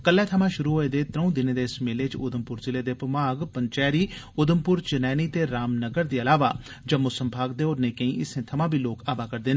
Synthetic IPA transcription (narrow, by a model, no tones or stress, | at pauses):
kəlːɛːt̪ʰəmãːʃʊɾuːɦoːeːd̪eːt̪ɾə̃ũd̪ɪneːd̪eːɪsmeːleːt͡ʃʊd̪əmpʊɾzɪleːd̪eːpəmaːɡpəɲt͡ʃɛːɾiː | ʊd̪əmpʊɾt͡ʃɪnɛːniːt̪eːɾaːmnəɡəɾd̪iːəlaːʋa̰ː | d͡ʒəmʊsəmbʱaːɡd̪eːoːɾneːkə̃ĩːʔɪsẽːt̪ʰəmãːbʱiːloːkaːbaːkəɾd̪eːneː